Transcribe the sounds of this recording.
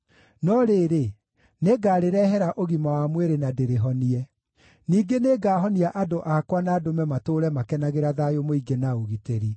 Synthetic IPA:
nɔɾeːɾe | neɡaːɾeɾɛɦɛɾaʔoɣimawamweɾenadeɾeɦɔniɛ | niːɡeneɡaːɦɔniaʔadoʔakwanaːdomɛmatoːɾɛmakɛnaɣeɾaðajomoiɡenaoɣiteɾi

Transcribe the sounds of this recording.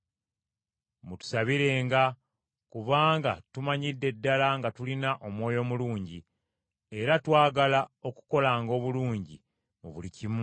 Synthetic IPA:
mutu̥saβiɾe̞ːŋɡa | kuβaːŋɡa̰tumaɲidːe̞dːalaŋɡatulinaʔo̞mwo̞ːjo̞muluːɲɟi | e̞ɾatwaːɡalao̞ku̥ko̞laːŋɡo̞ːβuluːɲɟi | oβulicimu

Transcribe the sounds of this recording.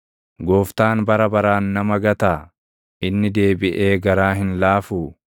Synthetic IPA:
ɡoːft̪aːnbɐɾɐbɐɾaːnːɐmɐɡɐt̪aː | ʔɪnːɪd̪e̞ːbɪʔeːɡɐɾaːɦɪnlaːfuː

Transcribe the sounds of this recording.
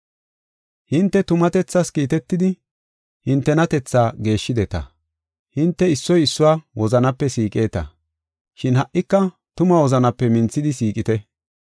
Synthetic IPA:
hɪnt̪ːɛt̪ʊmɐt̪ɛt͡sːɐskiːt̪ɛt̪ːɪd̪ɪ | hɪnt̪ːɛnɐt̪ɛt͡sːaːɡe̞ːʃːɪd̪ɛt̪ɐ̰ | hɪnt̪ːɛɪsːɔjɪsːʊwaːwɔzɐnɐpːɛsiːkʼe̞ːt̪ɐ̰ | ʃɪnhɐʔɪkːɐ | t̪ʊmɐwɔzɐnɐpːɛmɪnt͡sːɪd̪ɪsiːkʼɪt̪ɛ

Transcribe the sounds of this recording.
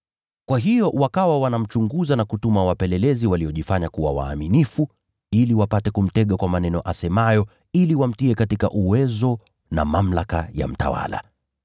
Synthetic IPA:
kwaɦijɔwakawawanam̩t͡ʃuŋɡuzanakutumawapɛlɛlɛziwaliɔʄifaɲakuwawa̰ːminifu | iliwapatɛkum̩tɛɠakwamanɛnɔʔasɛmajɔ | iliwam̩tiɛkatika̰ʔuwɛzɔ | na̰mam̩laka̰ja̰m̩ta̰wa̰la̰

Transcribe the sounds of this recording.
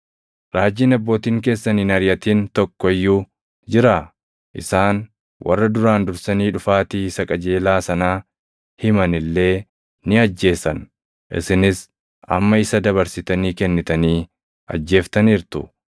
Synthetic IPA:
ɾaːd͡ʒːiːnɐbːo̞ːt̪iːŋke̞ːsːɐniːnɐɾjɐt̪iːnt̪ɔkːɔɪjːuː | d͡ʒɪɾaː | ʔɪsaːn | wʔɐ̰rːɐd̪ʊɾaːnd̪ʊɾsɐniːᶑʊfaːt̪iːsɐkʼɐd͡ʒe̞ːlaːsɐnaː | hɪmɐnɪlːe̞ː | nɪɐd͡ʒːe̞ːsɐn | ʔɪ̰sɪnɪs | ʔɐ̰mːɐɪsɐd̪ɐβɐɾsɪt̪ɐniːkɛnːɪt̪ɐniː | ɐ̰d͡ʒːe̞ːft̪ɐniːɾt̪ʊ̰

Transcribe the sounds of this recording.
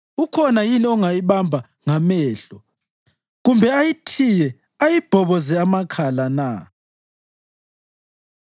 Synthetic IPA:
ukʰɔnajiniɔŋajiβambʱa | ŋamɛːɬɔ | ɣumbʱɛajitʰijɛ | ajib̥ʱɔβɔzɛamakʰalana

